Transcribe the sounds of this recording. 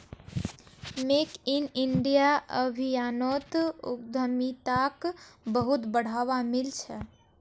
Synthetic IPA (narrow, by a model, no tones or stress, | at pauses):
mekiniɳɖijaəbʱijanɔt̪ṵk̚d̪ʱəmit̪akbəɦut̪bəɽ̤aʋamilt͡ʃʰɛ